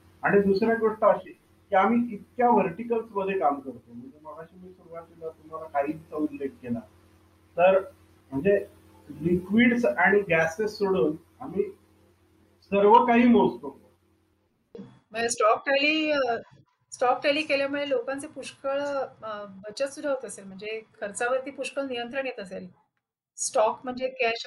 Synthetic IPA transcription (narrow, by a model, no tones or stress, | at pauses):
aɽ̃id̪usɾjak̪ʋəʈt̪aəɕiː | kiamiːit̪̚kjaʋəɾʈikəlsməd̪ʱːekamkəɾt̪om̤əɳd͡zeməlaɕiːmiːsuɾuʋat̪ːilat̪um̤alakaɦiːt͡saudlek̚ɡela | t̪əɾ | m̤əɳd͡ze | likʋiːɽsaɽ̃iɡæsesːoɽəːn | amiː | səɾʋəkaɦiːmod͡zt̪oo | m̤əd͡zesʈɔk̚ʈaliː | sʈɔk̚ʈɛliːkeljamuɭelokãnt͡sepuɕkəɭ | bət͡ɕət̪sud̪ʱːaɦot̪oəselm̤əɳd͡zekʰəɾt͡saʋəɾt̪iːpuɕkəɭnijənt̪ɾəɳjet̪əsel | sʈɔkm̤əɳd͡zekeaɕ